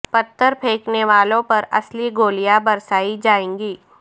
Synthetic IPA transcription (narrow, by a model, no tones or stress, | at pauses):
pɐt̪ːəɾpʰeːkneʋaːlõpɐɾɐsliɡoːlijabɐɾsaːid͡ʒaːẽːŋɡiː